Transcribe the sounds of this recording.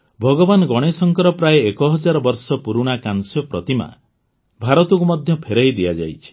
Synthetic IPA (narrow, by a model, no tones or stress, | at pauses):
bʱɔɡɔbanɔɡɔɽ̃esɔŋkɔɾɔpɾajeekɔɦɔd͡ʒaɾɔbɔɾsɔpuɾuɽ̃akansjɔpɾɔt̪ima̰ | bʱaɾɔt̪ɔkumɔd̪ʱjɔpʰeɾajd̪iad͡ʒa̰jt͡ʃʰi̥